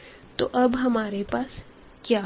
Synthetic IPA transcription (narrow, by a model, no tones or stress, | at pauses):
t̪o̰ʔɐbɦɐmaːɾepaːs | kjaː